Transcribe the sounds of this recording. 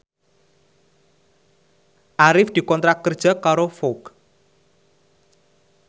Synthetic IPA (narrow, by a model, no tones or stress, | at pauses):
ʔaɾɪfd̪̥i̤kɔnt̪ɾakːərd̥ʒ̥a̤kaɾofok